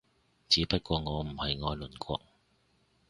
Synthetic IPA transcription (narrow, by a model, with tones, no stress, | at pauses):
t͡siː˨˥pɐ˥t̚kʷɔː˧ŋɔː˨˧m̩˨˩hɐ˨jŋɔː˨˧jlɵ˨˩nkʷɔ̰ː˧k̚